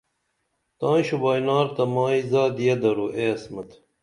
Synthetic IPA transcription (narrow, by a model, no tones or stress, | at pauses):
t̪ãːɕubaːjnaːɾt̪ɐmaːizaːd̪ijɐd̪ɐɾuʔeːɐsmɐt̪